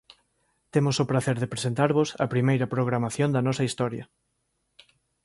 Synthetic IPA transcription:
t̪emʊsʊpɾaθeɾðepɾesent̪aɾβʊsɐ̰pɾimejɾɐpɾoɣɾamaθjond̪ɐnɔsɐist̪ɔɾjɐ̰

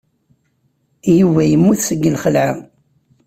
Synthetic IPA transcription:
jivæjəmːuθsəɡːəlχəlʕa̰

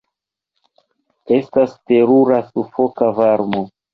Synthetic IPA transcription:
e̞staste̞ɾuɾasufo̞kavaɾmo

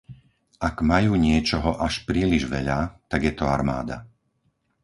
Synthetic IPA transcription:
aɡmajuːɲɪɛt͡ʃɔɦɔʔaʃpɾiːliʒʋɛʎat̪aɡjɛt̪ɔaɾma̰ːd̪a̰

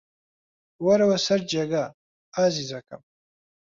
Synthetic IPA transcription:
waɾawasɐrd͡ʒaɡa | azizakʰʼa̰m

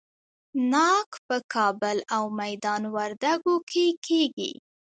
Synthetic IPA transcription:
nɑkpəkʰɑbəlawmajd̪ɑnwaɾd̪aɡokʰekʰeɡḭ

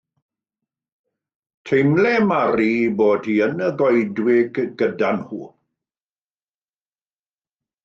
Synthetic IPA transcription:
tʰejmlɛmaɾiːboːdhiənəɡɔjdwɪɡɡədanhuː

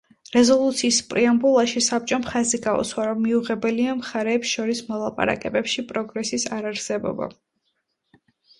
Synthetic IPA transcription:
ɾɛzɔlˠut̪sʰiːspʼɾiambulˠaʃisap̚t͡ʃʼɔmχaziɡaṵswaɾɔmːiuʁɛbɛliamχaɾɛːpsʃɔɾismɔlˠapʼa̰ɾa̰kʼɛbɛpʃipʼɾɔɡɾɛsisaɾaɾsɛbɔ̰ba̰

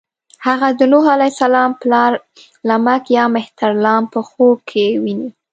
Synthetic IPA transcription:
haɣad̪ənoɦalajsalɑmplɑɾ | lamakjɑmɪht̪aɾlɑmpəxokʰewini

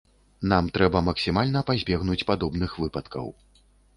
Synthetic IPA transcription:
namt̪ɾɛbɐmɐksʲimalʲnɐpazʲbʲɛɣnut͡sʲpad̪ɔbnɨxvɨpɐt̪kɐ̰w

